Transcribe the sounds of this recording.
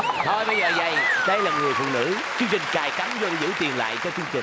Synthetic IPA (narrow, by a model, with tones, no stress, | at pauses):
t̪ʰɔ˧jɓə˧jzə̰ː˧˩za˨˩jɗə˧jlaː˨˩ŋɨ˨˩əjfṵ˧˨nɨ̰˧˥ | t͡ɕɨ˧əŋt͡ɕï˨˩ŋ̟t͡ɕaː˨˩jka˨˦mzə˨˦nzɨ̰˧˥t̪i˨˩ənla̰ː˧˨jt͡ɕɔ˧t͡ɕɨ˧əŋt͡ɕï˨˩